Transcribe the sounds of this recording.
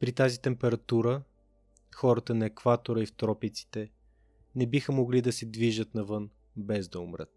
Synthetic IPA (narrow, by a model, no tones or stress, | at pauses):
pɾit̪azit̪ɛmpɛɾɐt̪uɾə | xɔɾət̪ənɐɛkvat̪oɾəift̪ɾɔpit̪si̥t̪ɛ | nɛbixəmoɡlid̪ɐsɛd̪viʒət̪nɐvɤn | bɛzd̪ɐʊmɾə̰t̪̚